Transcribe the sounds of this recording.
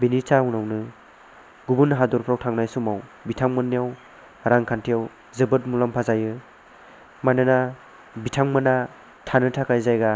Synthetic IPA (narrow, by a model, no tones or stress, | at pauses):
binit͡ʃaɔwnawnɯ | ɡubunɦadɔɾpʰɾawtʰaŋnajsumawbitʰaŋmɯnːijaw | ɾaŋkʰantʰijaw | zɯbɯt̚mulampʰazajɯ | manɯna | bitʰaŋmɯna | tʰanɯtʰakajzajɡa